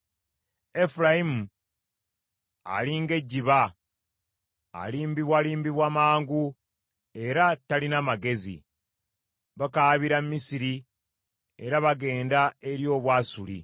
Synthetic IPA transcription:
e̞fuɾajimu | a̰liŋɡe̞ɟːiβa | liːmbiβwaliːmbiβwamaːŋɡu | e̞ɾatalinamaɡe̞zḭ | βakaβiɾammːisiɾi | e̞̰ɾaβaɡe̞ːndae̞ɾjo̞ːβwaːsulḭ

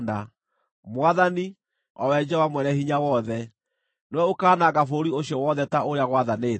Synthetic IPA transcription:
na | mwaðani | ɔwɛd͡ʒɛwamwɛnɛhiɲawɔðɛ | nɛwɛokaːnaɣafoɾioɕjɔwɔðɛtaoɾejaɣwaðane

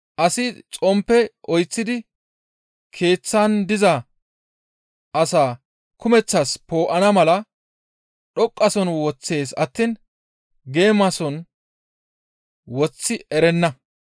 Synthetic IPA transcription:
ʔɐsɪt͡sʼɔmpːɛʔɔjt͡sːɪd̪ɪ | kʰe̞ːt͡sːand̪ɪzɐ | ʔɐsaː | kʊmɛt͡sːɐspo̞ːʔɐnɐmɐlɐ | ɗɔkʼːɐsɔnwɔt͡sːe̞ːsɐt̪ːin | ɡe̞ːmɐsɔn | wɔt͡sːɪɛɾɛnːɐ

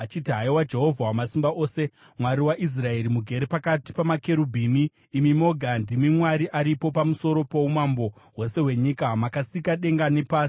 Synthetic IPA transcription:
at͡ʃitiɦaiwad͡ʒe̞ɦo̞vʱawamasimbaʔo̞ːse̞ | mwaɾiwaʔis̬rae̞ɾimuɡʱe̞ɾepakati̥pamake̞ɾubʱiːmiː | mimo̞ɡʱandimimwaɾiʔaɾipo̞pamuso̞ɾo̞po̞umambo̞ | we̞se̞we̞ɲikamakasikaɗe̞ŋɡane̞paːsi̥

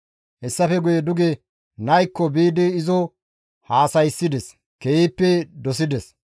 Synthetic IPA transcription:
hɛsːɐfɛɡʊjɛd̪ʊɡɛ | nɐjkːɔbiːd̪ɪɪzɔ | haːsɐjsːɪd̪ɛs | kejiːpːɛd̪ɔsɪd̪ɛs

